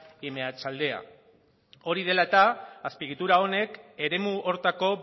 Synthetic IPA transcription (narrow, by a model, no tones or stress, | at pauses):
imeat͡ʃald̪e̞a̰ | o̞ɾið̞e̞laet̪aːspiɣit̪uɾao̞ne̞ke̞ɾe̞muʔo̞ɾt̪ako̞